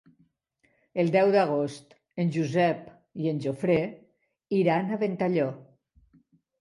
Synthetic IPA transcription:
əlˠd̪ɛwd̪aɣ̞ost̪ | eənʲʒuzɛp | ienʲʒofɾe | iɾanaβent̪aʎɔ

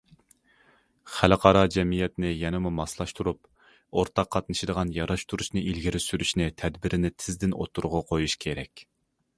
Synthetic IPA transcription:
χæləqʰɑɾɑd͡ʒɛmijɛt̪nɪjɛnɨmumɑslˠɑʃt̪ʰuɾup | oɾt̪ʰɑqʰːɑt̪nɨʃɪd̪əʁɑnjɑɾɑʃt̪ʰuɾuʃnɨʔilɡʲiɾysyɾyʃnɪt̪ʰɛd̪bɪɾʔɪnɪt̪ʰɪzd̪ɪno̰t̪ʰːuɾʊʁɑqʰojuʃkʲʰeɾɛkʲ

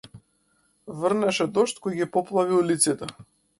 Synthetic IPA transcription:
vərnɛʃɛd̪ɔʃt̪kɔjɡipɔplˠaviulit̪sit̪ɛ

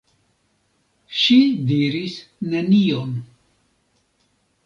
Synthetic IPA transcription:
ʃid̪iɾisnenijon

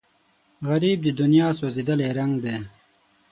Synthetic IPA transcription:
ɣɐɾiːb̚d̪id̪unjaːsozid̪əleːɾɐŋɡd̪eː

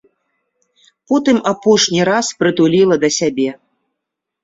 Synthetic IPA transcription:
pɔt̪ɨmapɔʂnʲiɾaspɾɨt̪ulʲilˠɐd̪ɐsʲabʲɛ

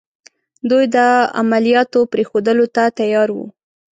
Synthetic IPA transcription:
d̪ujd̪əa̰malijɑt̪opɾexod̪əlot̪at̪ajɑɾwṵ

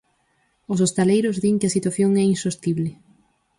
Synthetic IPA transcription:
ʊsost̪alejɾʊzðiŋkɪɐsit̪waθjoŋɛinsost̪iβlɪ

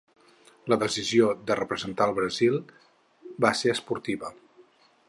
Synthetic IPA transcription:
ləðəsiziod̪ərəpɾəzənt̪aəlˠβɾəzilˠ | baseəspuɾt̪iβə

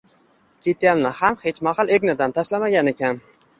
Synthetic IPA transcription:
kʲʰet̪̚jʲanlahamhet͡ʃmahɑlˠeɡʲnad̪ant̪ʰaʃlamaɡʲane̞kʲan

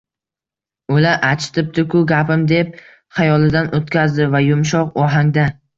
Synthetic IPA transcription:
ʊlaɾʔat͡ʃʰɪ̥t̪ʰɪp̚t̪ʰɪkʰʊɡʲapɪmd̪e̞p̚ | χajɒlˠɪd̪anʔot̪kʲʰazd̪ɪvajʊmʃ̬ɒqɒɦaŋd̪a

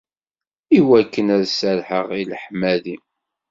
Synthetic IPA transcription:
iwækːənæðsəɾħəʁilħmæði

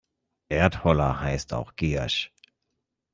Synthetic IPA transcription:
ʔeːɐthɔlɐ̰haɪsta̰ʊxɡ̥ḛːʃ

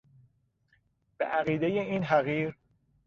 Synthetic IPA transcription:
b̥ḛʔæɣiːd̪ejeiːnɦæɣiːɾ

